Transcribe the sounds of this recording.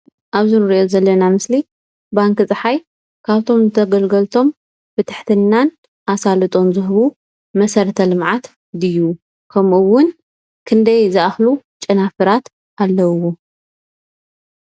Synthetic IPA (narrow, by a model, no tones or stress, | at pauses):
ʔaβzɨnɨɾiʔozɐlːɐnamɨsli | baŋkɨt͡sʼɨħaj | kʰaβt̪ʰo̞mzɨt̪ʰɐɡɐlɡɐlt̪ʰo̞m | fɨt̪ʰɨħt̪ʰɨnːan | ʔasalɨt̪ʼo̞nzɨɦɨβu | mɐsɐɾt̪ʰɐlɨmʕat̪ | d̪ɨjːu | kʰɐmɨwʊn | kʰɨnd̪ɐjzɨʔaxlut͡ʃʼɨnafɨɾat̪ | ʔalːɐwo